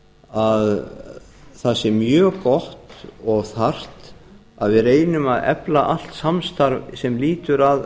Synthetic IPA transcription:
að | θasɛmːjœːkɔht̪ɔɣθar̥t̪ | aðvɪðreːjnʏmaðɛ̰plaʔal̥t̪samst̪aɾvsɛmliːt̪ʏɾað

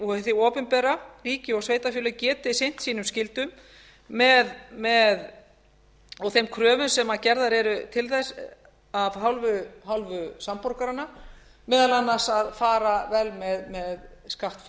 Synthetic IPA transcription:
ɔɣɛθɪɔːpʏnpɛːɾariːcɪɔɣsveːjt̪afjʏːlʏcɛːt̪ɪsejn̥t̪siːnʏmscɪlt̪ʏmː | ɛðmɛð | ɔɣθejmkʰɾœːvʏmsɛmaðcɛɾðaɾɛɾʏt̪ʰɪlθɛs | avɦawlvʏɦawlvʏsampɔɾkaɾanːa | mɛːðalanːasaðfaːɾavɛlmɛðmɛðskaht̪f

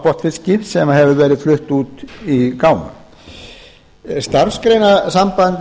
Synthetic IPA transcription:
pɔht̪fɪscɪfsɛmaɦɛvʏvɛːɾɪðflʏht̪uːt̪ikaːwma̰ | st̪aɾskɾejnasampant̪

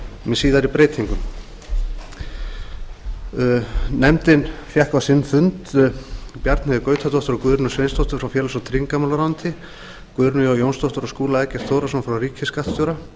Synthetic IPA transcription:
mɛsiːðaɾipɾeːjt̪ʰiŋkʏm | nɛmt̪ɪnfjahkvasɪnːfʏnt̪ | pjaɾt̪nɛðɪkœːɥt̪ʰat̪ɔht̪ʏɾɔkʏɾnʏsvejnst̪owht̪ʏɾfɾawfjɛːlasɔt̪ʰɾiŋkamalaɾawnt̪ʰɪ | kvʏɾnʏɔwjownst̪ɔht̪ʏɾɔskuːlaɛcɛr̥t̪θʰoːwɾasɔnfɾawɾiːcʰɪskaht̪st̪jowɾa

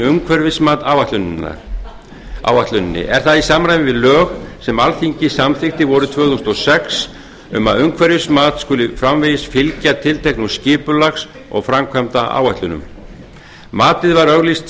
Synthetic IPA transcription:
ʏŋkʰvɛɾvɪsmaːt̪aːwvaht̪lʏnna̰ | a̰ːwaht̪lʏnɪnːɪ̰ʔɛɾ̥θaðisaːmanajvɪvɪðlœːɣsɛmalθiɲcɪsamθɪxt̪ɪvɔɾʏt̪ʰv̥œːθust̪ɔsɛks | ʏmaðʏŋkʰvɛɾvɪsmaːt̪skʏlɪfɾamvɛjɪsfɪlcat̪ʰɪlt̪ʰehknuscɪːpʏlaxs | ɔ̰ɣfɾamkʰvɛmt̪aa̰ːwvaht̪lʏnʏ̰m | maːt̪ɪðvaɾœɣlist̪

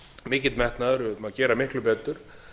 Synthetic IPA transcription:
mɪːcɪt̪mɛht̪naðɾʏmaðcɛːɾamɪhklʏpɛːt̪ʏɾ̥

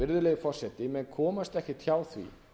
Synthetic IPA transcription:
ɪɾðʏleːɣfɔr̥sɛt̪ɪmɛnkʰɔːmast̪ɛhcɪt̪ʰçaːwθvḭ

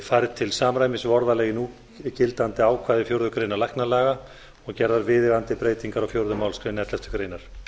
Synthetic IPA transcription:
fajɾt̪ʰɪlsaːmɾajmɪsvɔɾðalɛːɣɪnu | cɪlt̪ant̪ɪaːwkʰvaːðɪfjowɾðʏkɾejnaɾlajhknalaːɣa | ɔɣcɛɾðaɾvɪːðɪɣant̪ɪpɾeːjt̪iŋkaɾawfjowɾðʏmawlskɾejnɛt̪lɛst̪ʏkɾeːjnaɾ̥

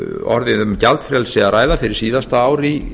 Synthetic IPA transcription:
ɔ̰ɾðɪðʏmcalt̪fɾjalsɛaɾaːjðafɪɾɪɾ̥siːðast̪aaːwɾi

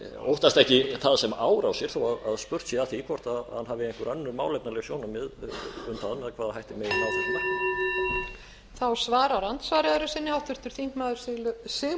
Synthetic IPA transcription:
o̰wht̪ast̪ɛhcɪθaðsɛmaːwɾawsjɛɾ̥θowaðaðspʏr̥t̪sɛðaθikʰvɔr̥t̪ahanɦavɪɛŋ̥kʏɾœnːʏɾmaːwlɛpnalɛɣsjoːwnamɛðʏmθaðmɛðakʰvaːðahajht̪ɪmɛðmaːwsɛna | θawsvaːɾawɾant̪svaːɾɪðʏɾʏsɪnːɪawht̪ʏɾ̥t̪ʏɾ̥θiŋ̥kmaðʏɾ̥sɪlsɪɣ

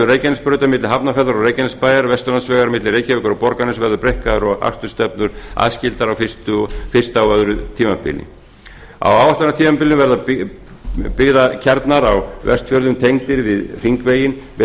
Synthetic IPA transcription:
ʏreːjcɛnɪspɾœɥt̪amɪt̪lɪɦapnafɛɾðaɾɔreːjcɛnɪspaːjaɾvɛst̪ʏlansvɛɣaɾmɪt̪lɪreːjcavɛkaɾɔpɔɾkanɪsvɛɾðʏɾpɾejhkaðʏɾɔɣa̰st̪ʏ̥st̪ɛpnʏɾ̥a̰ðscɪlt̪aɾawfɪst̪ʏfɪ̥st̪awœðɾʏt̪ʰiːmapɪ̰lɪ̰ | a̰waːwvaht̪aɾnat̪ʰiːmapɪlɪvɛɾða | pɪɣðacʰɛɾt̪naɾawvɛ̰rst̪fjœɾðʏmt̪ʰejŋt̪ɪɾvɪðriŋkveːjɪnvɛ

